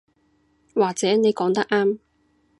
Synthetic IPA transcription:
waː˨˩k̚t͡sɛː˨˥ne˨˧jkɔː˨˥ŋt̪ɐ˥k̚ʔaː˥m

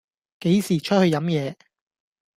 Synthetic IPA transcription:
ke˨˥jsiː˨˩t͡ʃʰɵ˥t̚hɵ˧ɥjɐ˨˥mjɛː˨˧

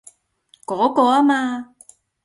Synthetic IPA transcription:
kɔ˨˦kɔ˧˦a˦ma˧

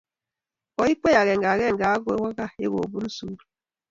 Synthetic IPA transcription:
ɔ˨i˦k͡pe˦ja˨ɣɛ˨ŋɡa˨ɣɛ˦˨ŋ˨ɡa˨˦ɡe˨˦wa˦ɣa˦ḛ˦ɣo̰˨bu˦n̩˦su˨˦ɾ

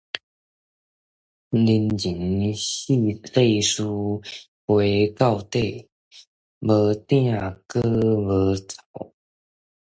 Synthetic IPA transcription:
li˧˥nt͡ɕi˨˦nɕi˥˧e˥˨˩ɪʂu˥ | we˧˥ɪkɑ˥˧ʊt̪e˥˩ɪ | wə˧˥t̪i˥˧ja˥˩kɤ˥wə˧˥t͡sɑ̥˨˧˩ʊ

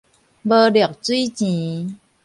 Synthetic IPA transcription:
bə˧ɖjɔ˨˩˨k̚t͡si˦t͡ɕĩ˨˦

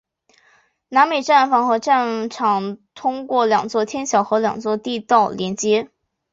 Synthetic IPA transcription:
na˧˥nme˨˩ɪʈ͡ʂa˥˩nfɑ˧˥ŋxɤ˧˥ʈ͡ʂa˥˩nʈ͡ʂʰɑ˨˩ŋt̪ʰʊ˥ŋkwɔ˥˩ljɑ˨˩ŋt͡swɔ˥˩t̪ʰjɛ˥nɕjɑ˨˩ʊxɤ˧˥ljɑ̰˨˩ŋt͡swɔ˥˧t̪i˥˧t̪ɑ˥˩ʊljɛ˧˥nt͡ɕjɛ˥

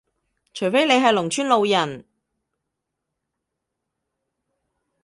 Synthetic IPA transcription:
t͡ʃʰɵ˨˩fe˥jle˨˧jɦɐ˨jlʊ˨˩ŋt͡ʃʰyː˥nlo˨˧wjɐ˨˩n

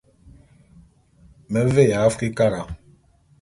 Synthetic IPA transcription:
me˨˦ve˦˨ja˨˦fki˦ka˦ɾa˨

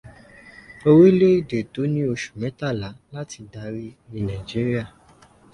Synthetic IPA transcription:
o˧we˦le˦i˦˨de˨to˨˦nĩ˦o˧ʃu̥˨mɛ̃˨˦ta˦˨la˨˦la˦ti˧da˨˦ɾi˦ĩ˧nã˨d͡ʒi˦ɾi˦a˦˨

